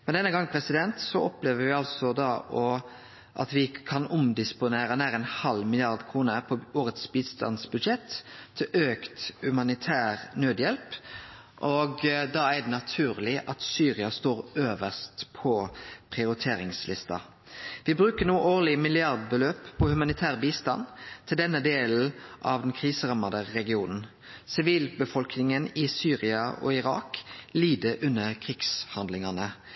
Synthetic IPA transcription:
mɛnd̪ɛnːəɡɑŋːpʰɾɛsɪd̪ɛnt̪sɔɔpleːʋəɾʋɪɑlsɔd̪ɑʔɔ | ʔɑ̰t̪ʋɪkʰɑnʊmd̪ɪspʊneːɾənæːɾəɛnhɑlmɪlɪɑʁd̪kʰʁuːnəpʰɔoːɾət̪sbiːd̪st̪ɑ̰nsbʉd̪ʃɛt̪ʰːɪlʔøːkt̪hʉmɑnɪt̪ʰæːʁnøːd̪jɛlp | ʔɔɡd̪ɑæd̪ɛnɑt̪ʰʉːʁlɪʔɑt̪syːɾɪɑst̪oːɾøːʋəst̪pʰɔpʰʁɪʊɾɪt̪ʰeːɾɪŋslɪst̪ɑ̰ | ʋɪbɾʉːkənuːʔoːʁlɪmɪlɪɑʁd̪̚bəløːpʰːɔhʉmɑnɪt̪ʰæːʁbiːst̪ɑ̰nt̪ʰɪld̪ɛnːəd̪eːl̩ʔɑʋd̪ɛnkʰʁiːsəʁɑmɑd̪əʁɛɡɪuːnn̩ | sɪʋiːlbəfɔlknɪŋənɪsyːʁɪɑʔɔ̰ɪɾɑ̰ːkliːd̪əʔʉnːəkʰʁiɡ̥shɑnd̪lɪŋɑnə

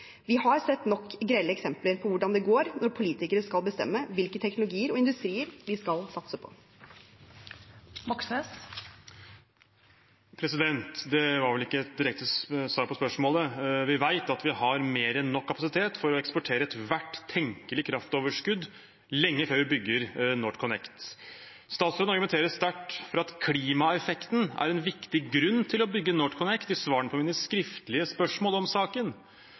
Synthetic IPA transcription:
ʋɪhɑɾsɛt̪ːnɔkːɡɾæləɛksɛmpləɾpʰɔʋʊɖɑnd̪ɛɡoːɾnɔɾpʰʊliːt̪ɪkəɾəskɑlbəst̪ɛ̰mːəʋɪlkət̪ʰɛknʊlʊɡiːəɾɔɪnd̪ʉst̪ɾiːəɾʋ̪ɪskɑlsɑt̪səpʰɔ̥̰ | mɑksəs | pʰɾɛsɪd̪ɛnt̪d̪ɛʋɑɾʋɛlɪkːəɛt̪̚d̪ɪɾɛk̚t̪əsʋɑːɾpɔspœʂmoːləʋɪʋæɪt̪ɑt̪ʋɪhɑɾmeːɾɛnːɔkʰːɑpɑsɪt̪ʰeːt̪fɔɾɔɛkspɔʈʰeːɾəɛt̪ʋæʈːt̪ʰːɛŋkəlɪkʰɾɑft̪oːʋəʂkʉd̪ | lɛŋːəføːɾʋɪbʏɡːəɾnoːʈkʰɔnɛkt̪ | st̪ɑːt̪sd̪ɑɾɡmnt̪eːɾəst̪æʈːfɔɾɑt̪kʰliːmɑɛfɛkt̪n̩æ̰ɾɛnʋɪkt̪ɪɡɾʉnːt̪ʰɪlɔbʏɡːənoːʈkʰɔnɛkt̪ɪsʋɑːɾəɳəpʰɔmiːnəskɾɪft̪əlɪəspœʂmoːlɔmsɑːkən

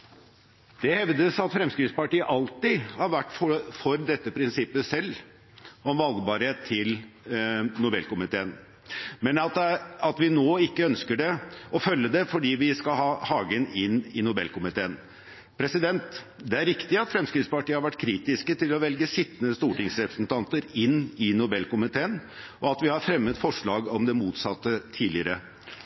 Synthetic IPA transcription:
d̪̥ɛhɛʋd̪əsɑt̪fɾɛmskɾɪt̪spɑʈiːəʔɑlt̪ɪhɑɾʋæʈːfɔfɔɾd̪ɛt̪ːəpʰɾɪnsɪpːəsɛlː | ɔmʋɑlɡbɑɾheːt̪ʰːɪl | nʊbɛ̰lkʊmɪt̪ʰeːən | mɛnɑt̪ɑt̪ʋɪnoːɪkːəœnskəɖɛɔfœlːəd̪ɛfɔɖiːʋɪskɑhɑːhɑːɡənɪnːɪnʊbɛ̰lkʊmɪt̪ʰeːən | pʰɾɛsɪd̪ɛnt̪ | d̪ɛæɾɪkt̪ɪɑt̪fɾɛmskɾɪt̪spɑʈiːəhɑɾʋæʈːkʰɾiːt̪ɪskət̪ʰɪlɔʋɛlɡəsɪt̪ːənəst̪uːʈɪŋsɾɛpɾəsnt̪ʰɑnt̪əɾɪnːɪnʊbɛlkʊmɪt̪ʰeːən | ʔɔɑt̪ʋɪhɑɾfɾɛmːət̪fɔʂɭɑːɡɔmd̪ɛmuːt̪sɑt̪ːət̪ʰiːlɪəɾə

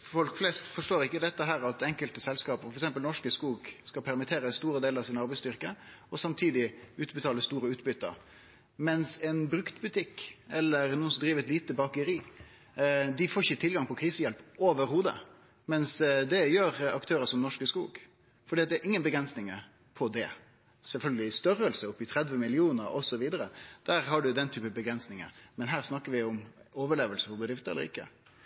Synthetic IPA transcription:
fɔlkflɛːst̪fɔʂʈoːɾɪkːəd̪ɛt̪ːəɦæːɾɑt̪ɛŋkəlt̪əsɛlskɑːpəfɔɾɛksɛmpəlnɔʂkəskuːɡskɑlpʰæɾmɪt̪ʰeːɾəst̪uːɾəd̪eːlɾɑʋsɪnɑɾbæɪst̪ʏʁkəɔsɑmt̪ʰiːd̪ɪʉːt̪bət̪ʰɑːləst̪uːɾəʉːt̪bʏt̪ːə̰ɾ | mɛnsɛnbɾʉkt̪bʉt̪ʰɪkːɛlːəɾnuːənsɔmd̪ɾiːʋəɛt̪liːt̪əbɑːkəɾiː | d̪ɪfoːçət̪ʰɪlɡɑŋpʰɔkʰɾiːsəjɛlpoːʋəɾhuːd̪ə̰ | mɛnsd̪ɛjøːɾɑkt̪ʰøːɾəsɔmnɔʂkəskṵːɡ | fɔɖiːɑt̪d̪ɛːɾʔɪŋːənbəɡɾɛnsnɪŋə | pʰɔd̪ɛ | sɛlfœlɡəlɪst̪œɾəlsəɔpːɪt̪ʰɾɛd̪ʋəmɪlɪuːnəɾɔsɔʋiːd̪əɾəd̪̥æːɾhɑɖʉd̪ɛnt̪ʰyːpəbəɡɾɛnsnɪŋə̰ɾmɛnɦæːɾsnɑkːəʋɪʊmoːʋəɭeːʋəlsəpɔbəd̪ɾɪft̪əɛ̰lːəɾɪ̰kːə̰

